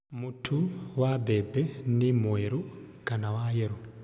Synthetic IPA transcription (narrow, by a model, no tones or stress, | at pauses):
mutʰuwabʱebenemweɾukanawajeɾu